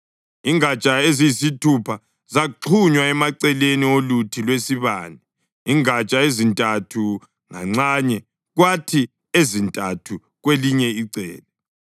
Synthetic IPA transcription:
iŋat͡ʃʼaezijisitʰupʰa | zaǃʰuɲwaɛmaǀɛleniolutʰilwesiβa̰ːnɛ | iŋat͡ʃʼaezintʼatʰu | ŋa̰ŋ͡ǀaːɲɛ | ɣwatʰi | ezintʼatʰu | ɣweliɲɛiǀɛ̰ːlɛ

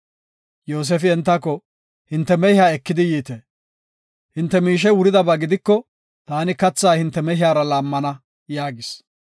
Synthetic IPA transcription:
jo̞ːs̬ɛːfɪɛnt̪ːɐkːɔ | hɪnt̪ːɛmɛhɪaːɛkːɪd̪ɪjiːt̪eː | hɪnt̪ːɛmiːʃ̬ɛwʊɾɪd̪ɐbɐɡɪd̪ɪkːɔ | t̪aːnɪkɐt͡sːaːhɪnt̪ːɛmɛhɪaːɾɐlaːmːɐnɐ | jaːɡɪs

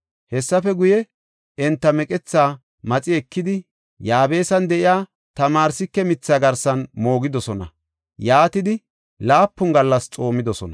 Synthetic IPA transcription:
hɛsːɐfɛɡʊjɛ | ɛnt̪ːɐmɛkʼɛt͡sːaː | mɐt͡sʼɪɛkːɪd̪ɪ | jaːbe̞ːsɐnd̪ɛʔɪjaː | t̪ɐmaːɾsɪkːɛmɪt͡sːaɡɐɾsɐnmo̞ːɡɪd̪ɔsɔnɐ̰ | jaːt̪ɪd̪ɪ | laːpːʊŋɡɐlːɐst͡sʼo̞ːmɪd̪ɔsɔnɐ

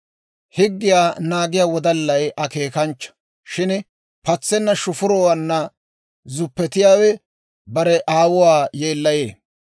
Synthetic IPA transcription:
hɪɡːɪjaːnaːɡɪjaːwɔd̪ɐlːɐjʔɐke̞ːkɐnt͡ʃːɐ̥ | ʃɪn | pɐt͡sːɛnːɐʃʊfʊɾɔwɐnːɐ | zʊpːɛt̪ɪjaːwɛ | bɐɾɛʔaːwʊwaːje̞ːlːɐjḛː

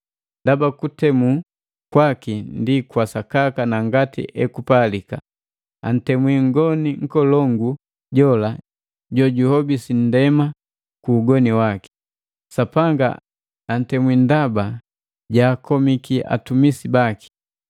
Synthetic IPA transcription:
ndabakutɛmu | kwakindikwasakakanaŋɡatḭʔɛkupalika | a̰n̩tɛmwiŋɡɔniŋ̩kɔlɔŋɡu | ɟɔla | ɟɔɟuhɔbisin̩dɛma | kuːɡɔniwaki̥ | sapaŋɡa̰ | an̩tɛmwindaba | ɟaːkʰɔmikiʔa̰tumisibaki̥

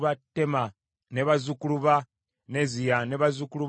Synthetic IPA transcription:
βatːema | neβazukuluβa | nezijaneβazukuluβ

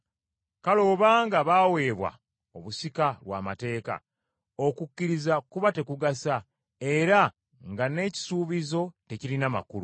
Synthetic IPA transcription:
kalo̞ːβaːŋɡaβaːwe̞ːβwa̰ | o̞βusikalwa̰ːma̰te̞ːka̰ | o̞kucːiɾizakuβate̞kuɡasa | e̞ɾa | ŋɡane̞ːci̥suːβizo̞te̞ciɾinama̰kulu

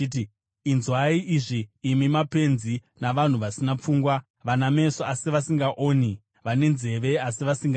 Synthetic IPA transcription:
iti | inzwaiʔiʐiːmimape̞nzi | naʋan̤uʋasinap͡fuːŋɡwa | ʋaname̞soasiʋasiŋɡaʔoːni | ʋane̞nze̞ʋe̞asiʋasiŋɡa

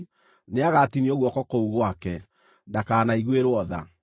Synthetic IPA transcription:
neaɣatiniɔɣwɔkɔkouɣwakɛ | ndakaːnaiɣweɾwɔða̰

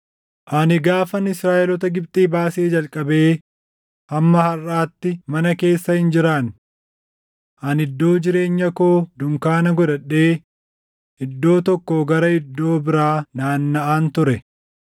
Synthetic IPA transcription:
ʔɐnɪɡaːfɐnɪsɾaːʔɛlɔt̪ɐɡɪb̚t̪ʼiːbaːseːd͡ʒɐlkʼɐbe̞ː | hɐmːɐhɐrːaːt̪ːɪmɐnɐke̞ːsːɐhɪnd͡ʒɪɾaːn | ʔɐnɪd̪ːo̞ːd͡ʒɪɾe̞ːɲːɐkoːd̪ʊŋkaːnɐɡɔᶑɐᶑe̞ː | ɪd̪ːo̞ːt̪ɔkːoɡɐɾɐɪd̪ːo̞ːbɪɾaːnaːnːɐʔaːnt̪ʊɾɛ

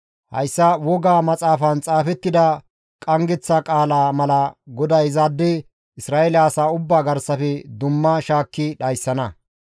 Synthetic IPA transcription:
hɐ̰jsːɐwɔɡaːmɐt͡sʼaːfɐnt͡sʼaːfɛt̪ːɪd̪ɐ | kʼɐŋɡɛt͡sːɐkʼaːlaːmɐlɐɡɔd̪ɐjzaːd̪ːɛ | ɪsɾaːɛlaːsaːʊbːaːɡɐɾsɐfɛd̪ʊmːɐʃaːkːɪɗɐjsːɐnɐ

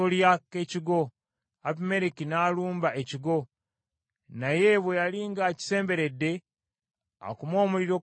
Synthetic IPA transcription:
oljake̞ciɡo | apime̞ɾekinaːluːmbaʔe̞ciɡo̞ | najeːβwejaliːŋɡaːci̥se̞ːmbe̞ɾe̞dːe̞ | a̰kumo̞ːmuɾiɾo̞

